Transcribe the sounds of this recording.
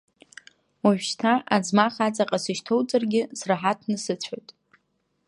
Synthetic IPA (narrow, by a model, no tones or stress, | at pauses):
waʒᶣʃtʰaʔad͡zmaχat͡sʼaqʼasɨʃtʰo̞wt͡sʼarɡʲɪsraħatʰnɨsɨt͡sʷʰajtʼ